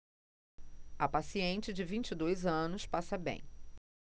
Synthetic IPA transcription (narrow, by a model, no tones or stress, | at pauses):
ɐpasiẽnt͡ʃɪd͡ʒɪvĩt͡ʃɪd̪ojzɐ̃nʊspasɐbḛ̃j̃